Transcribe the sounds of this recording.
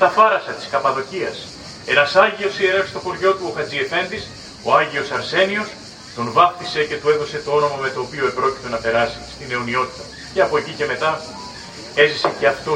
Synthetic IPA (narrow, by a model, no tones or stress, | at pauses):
t̪ɐfɐɾɐsɐt̪i̥skɐpɐðo̞ciɐs | e̞nɐsɐʝio̞sieɾexst̪o̞koɾʝo̞t̪uoxɐd͡zie̞fe̞nd̪is | o̞ɐʝio̞sɐɾse̞nio̞s | t̪onvɐp̚t̪ise̞ce̞t̪ue̞ðo̞se̞t̪o̞o̞no̞mɐme̞t̪o̞ːpio̞epɾo̞ci̥t̪e̞nɐpe̞ɾɐsi̥st̪ine̞onio̞t̪i̥t̪ɐt̪uce̞ɐpo̞ecice̞me̞t̪ɐ | e̞zise̞ce̞ɐft̪o